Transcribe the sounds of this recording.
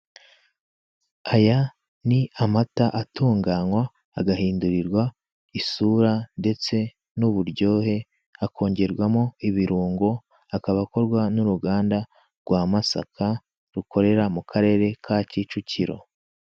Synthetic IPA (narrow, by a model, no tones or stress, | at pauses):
aja | niamataʔatuːŋɡaːŋwaː | ɡaɦiːnduɾiɾɡwa | isuːɾande̞t͡se̞ | nuβuɾɟo̞ːhe̞ | akʰo̞ːɲɟe̞ɾɡwamoiβiɾuːŋɡo̞ | akaβako̞ɾɡwanuɾuɡaːnda | ɾɡ̥waːmasa̰kʰa | ɾuko̞ɾe̞ɾamukʰaɾe̞ːɾe̞kʰacit͡ʃuciɾo̞̰